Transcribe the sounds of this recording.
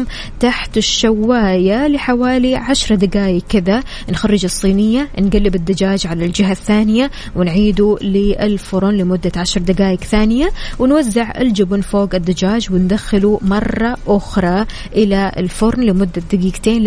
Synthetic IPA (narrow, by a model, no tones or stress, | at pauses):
m | t̪aħt̪ɪʃːawːaːjalɪħawaːliʕaʃɾˤd̪aɡaːjɪkkːɪða | nxɑrːɪd͡ʒɨsˤːiːnɪjːanɡalːɪbɪd̪ːad͡ʒaːd͡ʒʕalald͡ʒɪɦaθːaːnɪja | wɪnʕiːd̪ulɪʔɪlfʊɾˤnlɪmʊd̪ːaʕaʃɾˤd̪aɡaːjɪkθaːnɪjawɪnwazːɪʕʔɪ̰ld͡ʒabunfoːɡɪd̪ːad͡ʒaːd͡ʒwɪnd̪axːɪlumɑrˤːɑʔʊxɾˤɑ | ʔɪlaɪ̰lfʊɾˤnlɪmʊd̪ːad̪aɡiːɡt̪eːn